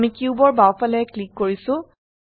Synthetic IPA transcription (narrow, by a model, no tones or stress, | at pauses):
mikuubɔɹbawpalɛɛklikːoɹisʊ̃